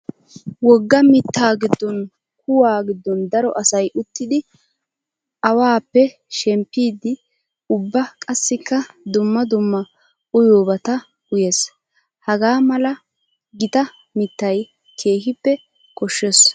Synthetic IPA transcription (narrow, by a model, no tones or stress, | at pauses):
wɔɡːɐmɪt̪ːaːɡɪd̪ːɔn | k̚ʊwaːɡɪd̪ːɔnd̪ɐɾɔʔɐsɐjʔʊt̪ːɪd̪ɪ | ʔɐwaːpːɛ | ʃɛmpːiːd̪ɪ | ʊbːɐkʼɐsːɪkːɐd̪ʊmːɐd̪ʊmːɐ | ʔʊjoːbɐt̪ɐ | ʊjes | hɐɡaːmɐlɐ | ɡɪt̪ɐ | mɪt̪ːɐj | kʰe̞ːhɪpːɛ | kɔʃːes